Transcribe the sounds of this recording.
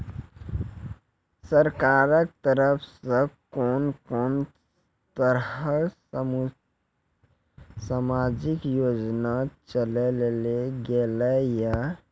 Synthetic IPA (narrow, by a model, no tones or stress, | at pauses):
səɾkaɾək̚t̪əɾəpʰsə̃koːnkoːn | t̪əɾə | samad͡ʒikjod͡ʒnat͡ʃəleleleɡelɛja